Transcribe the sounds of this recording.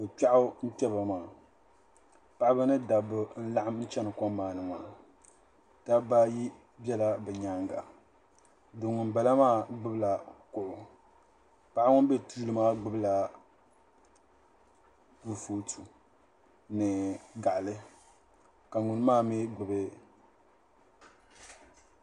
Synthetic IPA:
bɨ˨k͡pa˦ʔʊ˦n̩˦pɛ˦ba˨maː˨ | pa˦ʔbɨ˦nɨ˦da˨bʊ˨n̩˦la˦ʔa˦mn̩˦t͡ʃɛ˦nɨ˨kɔ˦mː˦aː˨nɨ˨ma̰ː˨ | ta˦ba˦ji˦ | bɛ˦la˦bɛ˨ɲa˨ŋɡa̰˨ | dʊ˨ŋʊ˨nba˨la˦maː˦ɡ͡bɨ˦bɨ˦˨la˨kʊ˨ʔʊ˨ | pa˨˦ʔa˦ŋʊ˦be˦tuː˦lɨ˦maː˦ɡ͡bɨ˦bla˨ | bu˨foː˨tu˨ | nɨ˨ɡa˨ʔlɨ˦ | ka˨ŋʊ˨nɨ˦maː˦mɛ˦ɡ͡bɨ˨bɨ˦

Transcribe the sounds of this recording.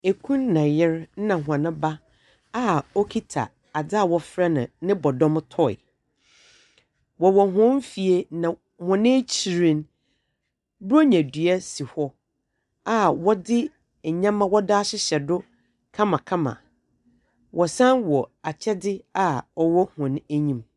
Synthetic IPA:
e˨kʰũ˦nː˦ã˨jɛ˦ɾn̩˦nã˨ɦʷʊ˨ã˨nɪ̃˦ba˦ | a˦ɔ˦kʰi˦tʰa̰˨ | a˨da˦a˦˨wɔ˨fɾa˦nɪ̰̃˨nɪ̃˦bɔ˨dɔ̃˦m˦tʰɔ˦ɪ̰˨ | wɔ˨wɔ˨ɦʊ̃˦m˦fi˨e˦nã˨ | hɔ̃˨nɪ̃˦t͡ɕʰi˨ɾĩ˦n | bu˦o˦ɲæ̃˨dɥɛ˦si˨hɔ˦ | a˦wɔ˦dɪ˦˨ | ɲã˦mã˦wɔ˦da˦ɕɪ˦ɕɛ˨dʊ˦ | kʰã˦mã˨kʰã˦mã̰˨ | wʔɔ˨sã˦nwɔ˨a˨t͡ɕʰɛ˦dɪ˦a˦ɔ˦wɔ˦hʊ̃˨næ˦ɲĩ˦m

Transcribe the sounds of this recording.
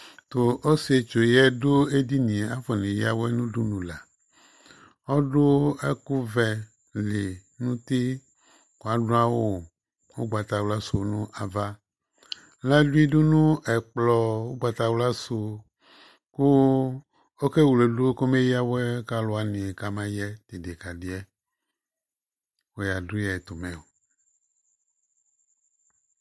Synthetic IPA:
t̪o˨ʔo˦si˨e˨t͡ʃo˨jɛ˦do˦e˦di˦nĩ˨a˦fɔ˨nẽ˨ji˦a˦wɛ˦nũ˦du˦nũ˨la˨ | ɔ˦ɖo˦ɛ˦ku˦vɛ˨ | le˨nũ˦t̪i˦ | ko˨a˨dõ˦a˦wo˦ | wo˦ɡ͡ba˨t̪a˨wla˦so˨nũ˦ʔa˨va˦ | la˦du˦i˦du˦nũ˦ʔɛ˨k͡plɔ˨wo˦ɡ͡ba˨t̪a˨wla˦su˨ | ku˦ | o˦ke˦wu˨le˨du˦ko˦me˦ji˦a˦wo˦ɛ˦ka˦lo˨˦a˨nĩ˨ɛ˨ka˨mã˦jɛ˦t̪e˨de˨ka˨di˨ɛ˦ | wo˦ja˨du˦ɛ˨t̪o˨mɛ̃˨o˨

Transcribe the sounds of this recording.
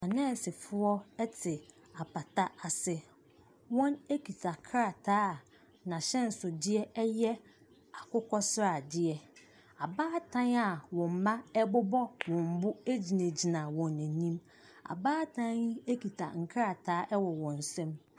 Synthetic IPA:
a˨nɛ̃ː˦˨sɪ˨fʊ˦ɔ˦ɛ˦tʰɪ˨ | a˨pʰa˨tʰa˦a˨sɪ˦ | wɔ̃˦ne˦kʰi˨tʰa˨kʰɾa˨tʰaː˦˨ | nã˨ɕɛ̃˦n̩˨sʊ˨dɪ˦ɛ˦ɛ˦jɛ˦ | a˨kʊ˦kʰɔ˦sɾa˨dɪ˦ɛ˦ | a˨baː˦tʰã˦ŋa˨wɔ̃˨m̩˨mã˦ɛ˦bʊ˦bɔ˦wɔ̃˨m̩˨bʊ˦e˦d͡ʑi˨næ̃˨d͡ʑi˨nã˨wɔ̃˨nɛ̃˨nĩ˦m | a̰˨baː˦tʰã˦ŋ˦e˦kʰi˨tʰa˨ŋ̩˨kʰa˦ɾa˨tʰaː˨˦ʔɛ˦wɔ˨wɔ̃˨n̩˨sɛ̃˦m

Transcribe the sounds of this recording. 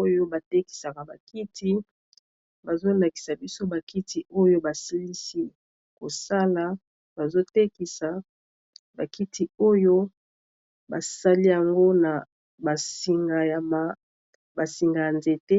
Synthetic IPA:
o˦jo˦ba˨te˦ki̥˨sa˨ka˨ba˨ki˦tʰi˦ | ba˨zo˦la˨ki̥˨sa˨bi˦so˦ba˨ki˦ti˦ʔo˦jo˦ba˨sa˦li˦si˦ | ko˨sa˦la˨ | b̥a˨zo˦te˦ki˨sa˨ | ba˨ki˦tʰi˨o˦jo˦ | ba̰˨sa˦li˦ja˨ŋɡo˦na˨ | ba˨si˨ŋɡa˨ja˨ma˨ | ba˨si˨ŋɡa˨ja˨nze˨te˦

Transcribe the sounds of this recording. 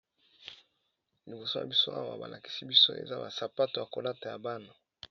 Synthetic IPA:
li˨bo˨so˦ja̰˨bi˦so˦ʔa˦wa̰˨ba̰˨la˨ki̥˨si˦bi˦so˦ḛ˨za˦ba˨sa˨pa˦to˨ja˨ko˨la˦ta˨ja˨ba˦no˨

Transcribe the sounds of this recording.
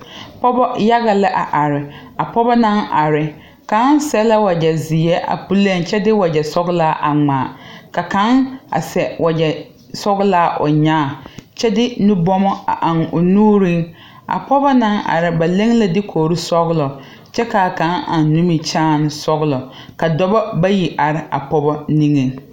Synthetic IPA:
pɔ˦bɔ˦ja˦ɣa˨lɪ˦ʔa˨ʔa˨ɾɪ˨ | a˨pɔ˦bɔ˦na˦ŋʔa˨ɾɪ˨ | ka˨˦n˦sɛ˦la˦wa˨d͡ʒɛ˨zɪ˨jɛ˦ʔa̰˨pu˦le˦˨ŋt͡ʃɛ˦dɪ˦wa˨d͡ʒɛ˨sɔ˦ɣlaː˦ʔa̰˨ŋ͡maː˨ka˨ka˨˦ŋa̰˨sɛ˨wʔa˨d͡ʒɛ˨ | sɔ˦ɣɪ˦laː˦ʔʊ̰˨ɲaː˦˨t͡ʃɛ˦dɪ˦nu˦bɔ˦mɔ˦a̰˨ʔa˨ŋʊ˨nuː˦ɾi˦ŋ | a̰˨pɔ˦bɔ˦na˦ŋa̰˨ɾɪ˨ba˨le˦ŋ˦la˦dɪ˦kʰoː˨ɾi˦sɔ˦ɣlɔ˨ | t͡ʃɛ˦ka˨ka˨˦ŋʔa̰˨nːu˦mi˨t͡ʃaː˦˨n˦sɔ˦ɣlɔ˨ | ka˨dɔ˦bɔ˦ba˦ji˨ʔa˨ɾɪ˦a˨pɔ˦bɔ˦ni˦ŋe˨ŋ

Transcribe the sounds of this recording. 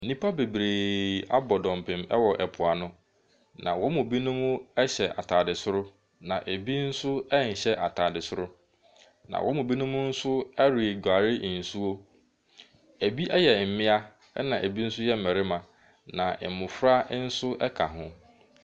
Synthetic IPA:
nĩ˦pa˦be˨bɾeː˨a˦bɔ˨dɔ̃˨m˨pʰɪ̃˨mɛ̰˦wɔ˨ʔɛ˨pʰʊ˨a˨nʊ̃˦ | nã̰˨wʔɔ˦mʊ̃˨bi˦nʊ̃˦mʊ̃˦ɛ˦ɕɛ˨ʔa̰˨tʰaː˨dɪ˨sʊ˦ɾʊ˦ | nã˨ʔe˨bi˦n̩˦sʊ˦ɛ˦n̩˨ɕɛ˦ʔa˨tʰaː˨dɪ˨sʊ˦ɾʊ˦ | nã̰˨wʔɔ˦mʊ̃˨bi˦nʊ̃˦mʊ̃˦n̩˦sʊ˦ɛ˦ɾɪ˨e˨ɡᶣa˨ɾɪ˦˨n̩˨su˦wo˦ | æ˨bi˦ʔɛ˦jɛ˨m̩˨mɪ̃˦a˦ | ɛ˦nã˨ʔæ˨bi˦n̩˦sʊ˦jɛ˦m̩˨mɛ̃˨ɾɪ˦mã˨ | nã˨ʔɛ˨mʊ̃˨fɾa˦n̩˦sʊ˦ʔɛ˦kʰa˨ɦʊ̃˦

